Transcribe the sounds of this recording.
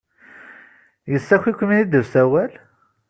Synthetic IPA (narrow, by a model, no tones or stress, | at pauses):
jəsːæçʷikʷːminid̪əvsæwæl